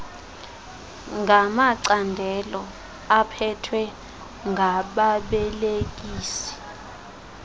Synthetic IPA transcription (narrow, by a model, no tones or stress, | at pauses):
ŋɡʱamaǀandʱɛlɔ | apʰɛtʰwɛ | ŋɡʱaɓaɓɛlek̬iːsi̥